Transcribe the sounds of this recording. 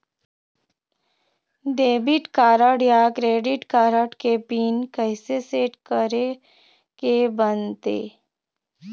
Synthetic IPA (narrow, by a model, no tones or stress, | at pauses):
d̪eːbɪʈkaːɾəɽjakɾeːɖɪʈkaːɾəɽkepiːnkəɪseseːʈkəɾe | kebənt̪ḛː